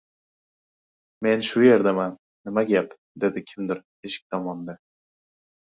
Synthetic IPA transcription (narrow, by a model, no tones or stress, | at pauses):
me̞nʃʊje̞ɾd̪amanːɪmaɡʲap | d̪e̞d̪ɪkʲʰɪmd̪ɪɾ | eʃɪ̥k̚ʲt̪ʰɒmɒnd̪a